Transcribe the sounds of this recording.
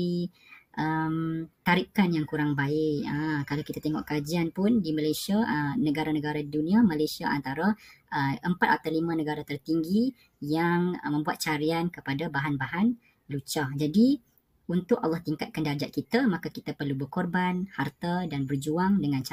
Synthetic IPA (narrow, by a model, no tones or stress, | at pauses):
i | ʔəmt̪aɾikanjaŋkuɾaŋbaɪʔəkalawkit̪at̪eŋɔʔkad͡ʒianpʊndimãlajsiaənəɡaɾanəɡaɾadidunĩamalajsiaʔa̰nt̪aɾaʔəəmpat̪̚at̪alimãnəɡaɾat̪ərt̪iŋɡi | jaŋmə̃mbuat̪̚t͡ʃaɾiankəpadabaɦanbaɦan | lut͡ʃad͡ʒadi | unt̪ʊkalːɑht̪iŋkat̪̚kandad͡ʒaʔ̚kit̪amãkakit̪apərlubərkɔrbanhart̪adanbərd͡ʒuaŋdəŋãnt͡ʃa